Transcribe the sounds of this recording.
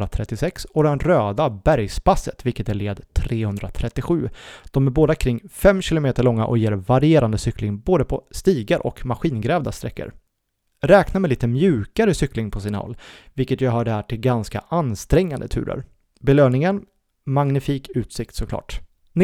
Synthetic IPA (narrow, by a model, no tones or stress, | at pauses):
at̪ʰɾɛt̪ːɪsɛksɔd̪ɛnɾøːd̪abæɾjspasːət̪vɪlkət̪æɭeːd̪t̪ʰɾeːhɵnd̪ɾat̪ʰɾɛt̪ːɪɧʉ̟ːd̪̥ɔmæɾboːd̪akʰɾɪŋːfɛmːɕɪlʊmeːt̪əɭɔŋːa̰ʔɔ̰jeːɾvaɾɪeːɾand̪əsʏklɪŋboːd̪əpʰɔst̪iːɡaɾʔɔ̰kmaɧiːnɡɾɛːvd̪ast̪ɾɛkːə̰ɾ | ɾɛːknamɛliːt̪əmjʉ̟ːkaɾəsʏklɪŋpʰɔsiːna̰hɔ̰lːvɪlkət̪jɑɦɑːɖɛhæːʈʰɪlɡanska̰ʔanːst̪ɾɛŋːand̪ət̪ʰʉ̟ːɾə̰ɾ | bɛløːnɪŋən | maŋnɪfiːkʉ̟ːt̪sɪkt̪sɔkʰlɑ̰ːʈ̪